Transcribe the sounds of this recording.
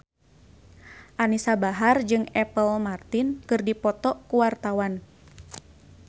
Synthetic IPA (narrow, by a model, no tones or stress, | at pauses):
ʔanisabaɦard͡ʒɨŋɛpəlmart̪inkɨrdipɔt̪ɔkuwart̪awan